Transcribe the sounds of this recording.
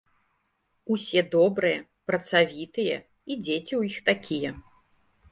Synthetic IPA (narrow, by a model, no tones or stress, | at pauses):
usʲɛd̪ɔbɾɨjɛ | pɾɐt̪savʲit̪ɨjɛ | id͡zʲet͡sʲiwjixt̪akʲijɛ